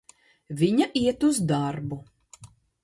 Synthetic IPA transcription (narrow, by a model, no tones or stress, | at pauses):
vʲiɲaʔiɛt̪uzd̪aɾbu